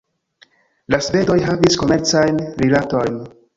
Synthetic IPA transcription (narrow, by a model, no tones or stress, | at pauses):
lasve̞do̞jɦavisko̞me̞ɾt͡sajnɾilato̞jn